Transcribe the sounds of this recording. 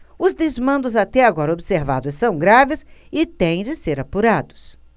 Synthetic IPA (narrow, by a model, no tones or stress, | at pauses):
ʊzd̪ezmɐ̃nd̪ʊzat̪ɛaɡɔɾɐobɪseɾva̰d̪ʊsːɐ̃w̃ɡɾavɪsɪt̪ẽj̃d͡ʒɪseɾapuɾad̪ʊ̥s